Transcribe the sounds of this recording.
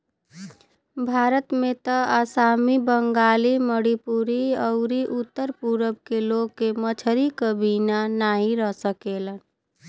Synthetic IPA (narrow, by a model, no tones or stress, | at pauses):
bʱaɾət̪met̪əasamibəŋɡaliməɽipuɾiəʊɾiʔut̪ːəɾpuɾəbkeloɡkːemət͡ʃʰəɾikəbinanaɦĩɾəɦsəkelən